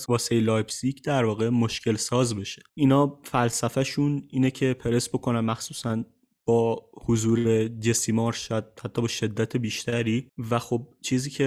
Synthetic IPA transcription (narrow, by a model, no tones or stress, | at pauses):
sbɒːsejlɒːjbsicʰd̪æɾvɒːɣemoʃcʰe̞lsɒːzbe̞ʃe̥iːnhɒːfælsæfæʃuniːnecʰe̞pʰe̞ɾe̞sbo̞kʰo̞nænmæxsuːsæn | b̥ɒːhozuːɾe̞d͡ʒe̞simɒɾʃæd̪̚hæt̪ʰːɒːbɒːʃe̞d̪ːæt̪ʰebiːʃt̪ʰæɾiːvæxo̞b̚t͡ʃʰiːziːcʰe̞